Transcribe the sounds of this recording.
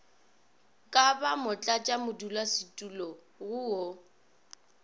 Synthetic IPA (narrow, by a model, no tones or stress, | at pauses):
kʼabamʊt͡ɬʼat͡ʃʼamʊdulasɪtʼulɔ | ɣʊo